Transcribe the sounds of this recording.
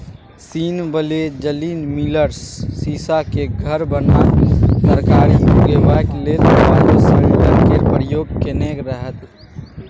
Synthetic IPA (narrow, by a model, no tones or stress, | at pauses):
siːnbəled͡ʒəliːnmiləɾsːiːsakeɡʱəɾbənasəɾkaːɾiuɡebaklet̪baːlesəkəɾkeɾpɾɪjoːɡ̚kenekɾəɦət̪